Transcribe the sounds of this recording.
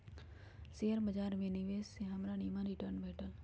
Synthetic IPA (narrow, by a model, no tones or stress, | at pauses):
seːəɾməd͡ʒaːɾmẽːniʋeːsːeɦəmɾaːniːmãːɾɪʈəɾnbʱeːʈəl